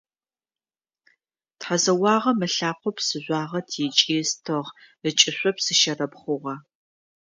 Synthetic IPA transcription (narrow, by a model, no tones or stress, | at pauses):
tħazɐwɑːʁɐmɨɬaːqʷɔpsɨʑʷɑːʁɐtʰit͡ʃʼiːstʰɨʁ | ɨt͡ʃʼɪɕʷɔpsɨʃɐrɐpχʷʊʁɐ